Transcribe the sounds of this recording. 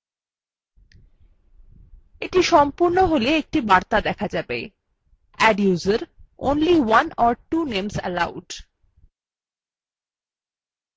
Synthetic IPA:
eʈiʃɔmpuɾnoɦoleek̚ʈibaɾt̪ad̪ɛkʰad͡ʑabe | ɛɖjuzəɾo̰nliwanɔɾʈunemsə̰lawɖ

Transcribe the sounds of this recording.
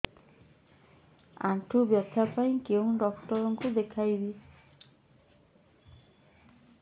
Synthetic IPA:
a̰ʈʰubjɔt̪ʰapaj̃kew̃ɖɔkʈɔɾɔŋkud̪ekʰajbi

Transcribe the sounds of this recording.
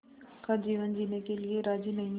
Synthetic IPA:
kad͡ʒiːʋənd͡ʒiːnekelieɾaːd͡ʒiːnɐɦĩ

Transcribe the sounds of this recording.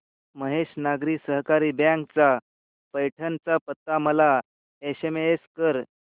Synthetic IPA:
məɦeɕnaɡɾiːsəɦkaɾiːbjãŋkt͡sa | pəjʈʰənt͡sapət̪ːaməla | eɕemeeskəɾ

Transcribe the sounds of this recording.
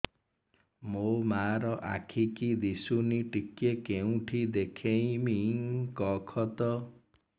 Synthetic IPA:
momaɾɔʔa̰kʰikid̪isuniʈikːjekeũʈʰid̪ekʰẽĩmikɔkʰɔt̪ɔ

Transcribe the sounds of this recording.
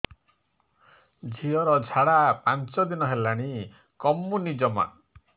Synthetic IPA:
d͡ʒʱiɔɾɔd͡ʒʱaɽapant͡ʃɔd̪inɔɦelaɽ̃i | kɔmːunid͡ʒɔma̰

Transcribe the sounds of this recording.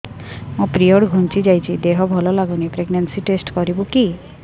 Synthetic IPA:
mũpɾioɽɡʱunt͡ʃid͡ʒajt͡ʃʰid̪eɦɔbʱɔlɔlaɡunipɾeɡnansiʈesʈkɔɾibuki

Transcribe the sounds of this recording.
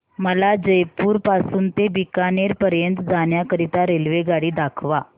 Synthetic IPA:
məlad͡ʑəjpuːɾpasuːnt̪ebikaneɾpəɾjənt̪d͡zaɳjakəɾit̪aɾelʋeɡaɽiːd̪akʰʋa

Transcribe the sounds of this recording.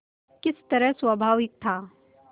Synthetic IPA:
kɪst̪ɐɾəɦsʋɐbʱaːʋɪk̚t̪ʰaː

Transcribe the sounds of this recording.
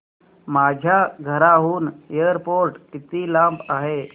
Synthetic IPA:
mad͡ʑʱjaɡʱəɾaɦuːnejəɾpoɾʈit̪ilãmpaɦe

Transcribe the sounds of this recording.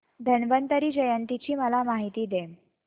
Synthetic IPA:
d̪ʱənʋənt̪əɾiːd͡ʑəjənt̪it͡ɕiːməlamaɦit̪iːd̪em

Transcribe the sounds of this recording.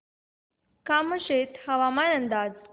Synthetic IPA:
kaməɕet̪həʋamanənd̪aːd͡z

